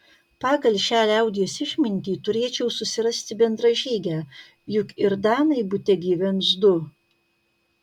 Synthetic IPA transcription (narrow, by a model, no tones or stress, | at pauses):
pɑːɡɐlʲʃʲæːlʲɐʊd̪ʲijosɪʃʲmʲɪnʲt̪ʲiːt̪ʊɾʲeːt͡ʃʲɛʊsʊsʲɪɾɐsʲt̪ʲɪbʲɛnd̪ɾɐʒʲiːɡʲæː | jʊkɪɾd̪ɑːnɐɪbʊt̪ʲɛɡʲiːʋʲɛmsd̪ʊ